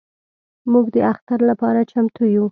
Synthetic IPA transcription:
muɡd̪əaxt̪aɾlapɑɾat͡ʃamt̪uju

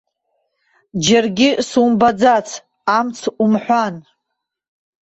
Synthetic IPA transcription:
d͡ʒarɡʲisumbad͡zat͡sʰ | amt͡sʰumħʷan

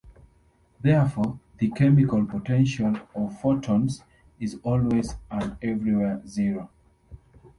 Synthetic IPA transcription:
ðɛfɔðɨkʰɛmikalˠpɔtʰɛ̃nʃalɔvfɔtʰɔ̃ns | izɔlwezə̃nɛvɹiwɛziɹo

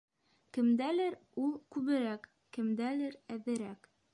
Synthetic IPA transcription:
kɘ̆md̪ælɘɾulˠkʉβɘ̆ɾæk | kɘ̆md̪ælɘɾæðɘ̆ɾæk

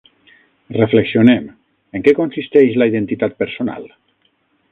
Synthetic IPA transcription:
refleksionɛm | əŋkɛkonsist̪ɛʃləiðent̪it̪at̪̚pəɾsona̰l

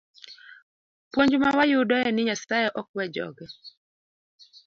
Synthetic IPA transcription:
pwoɲd͡ʒmawajʊdɔjɛnɪɲasajɛʔɔk̚wɛd͡ʒɔ̰ɡɛ

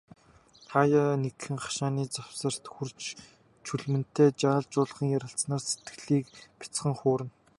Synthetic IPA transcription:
χʰajanekxɘ̆ŋχḁʃaːniːt͡sawsə̆r̥t̪xurt͡ɕ | t͡ɕʰuɮmɘ̆n̥t̪ʰːeːt͡ɕaːɮt͡ɕʊːɮ̆χiːŋjæɾʲə̆ɬt͡snaːrset̪̚ɡ̥ɘ̆ɮiːkpʲḁt͡sχə̆ŋχoːɾɘ̆n

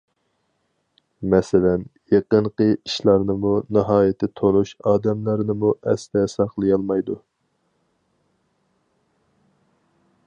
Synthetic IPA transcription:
mɛsɪlɛnjeqəɴqəiʃlˠɑɾnɨmunɨɦɑːjɪt̪ʰɪt̪ʰonuʃɑːd̪ɛmlˠɑɾnɨmuʔɛst̪ɛsɑχlˠɨjɑlˠmɑjd̪u

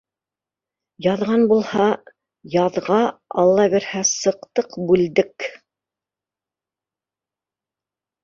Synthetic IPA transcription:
jɑðʁɑnbulˠhɑ | jɑðʁɑɑlˠːɑβiɾhæsɤ̆qt̪ɤqbʉld̪ɘk

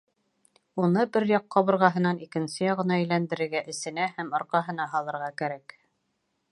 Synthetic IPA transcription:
unɤbɘɾjɑqːɑβɤ̆ɾʁɑɦɤ̆nɑnikɘ̆nsɘjɑʁɤ̆nɑɘjlænd̪ɘ̆ɾɘ̆ɾɡæʔɘ̆sɘ̆næhæmŏɾqɑɦɤ̆n̪ɑɦɑlˠɤ̆ɾʁɑkæɾæk

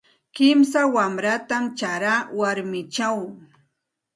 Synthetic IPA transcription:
kɪmsawamɾat̪amt͡ʃaɾawaɾmɪt͡ʃaw

